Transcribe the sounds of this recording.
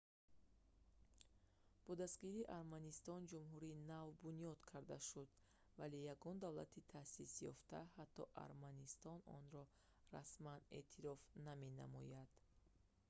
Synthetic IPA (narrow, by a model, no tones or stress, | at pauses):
b̥ɔd̪ast̪ɡiɾiːʔaɾmanist̪ɔnd͡ʒumɦuɾinavbunijɔd̪kʰaɾd̪aʃud̪ | valejaɡɔnd̪avla̰t̪ʰit̪ʰasisjɔ̰ft̪ahat̪ʰːɔʔa̰ɾmanist̪ɔnɔ̰nɾɔ | ra̰smane̞̰t̪ʰiɾɔfname̞na̰mɔ̰jad̪̥